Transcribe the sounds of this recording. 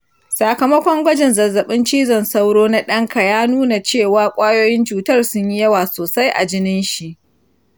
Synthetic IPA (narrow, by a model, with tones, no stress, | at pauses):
sa˨kɐ˨mɐ˦kʷɔ˦ŋɡʷɐ˦d͡ʒɛ˨nzɐ˨zːɐ˨ɓɪ˦nt͡ʃiː˦zɔ˨nsa˦wɽoː˦na˦ɗɐ˦ŋka˨jaː˦nuː˦na˨t͡ʃeː˦˨waː˦kʷʼaː˦joː˦jɪ˦nt͡ʃuː˨tɐ˦˨rsʊ˦ɲji˦jɐ˦waː˨soː˨sa˦jʔa̰˨d͡ʒɪ˦nɪ˦nʃi˨ʔ